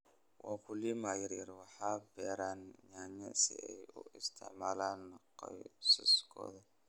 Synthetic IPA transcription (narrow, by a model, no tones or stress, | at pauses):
wʔɑːkʰʊliːmaːjɪɾjɐɾwɑħɑːbɛːɾaːnɲaːɲɛsɪ̰ɛjʊ̰ʔɪst̪ʰɪ̰ʕmaːlaːnːɐqɑjsʊ̰skʰɔ̰ːðɐ